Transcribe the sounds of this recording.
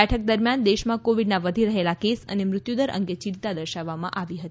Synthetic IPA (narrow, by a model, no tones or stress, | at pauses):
ɛʈʰək̚d̪əɾmjand̪eʃmãkoʋiɖnaʋəd̪ʱiɾəɦelakesə̰nemɾʊt̪jud̪əɾʔə̰ŋɡet͡ʃɪ̃nt̪ad̪əɾʃaʋːamã̰ʔaʋiɦət̪i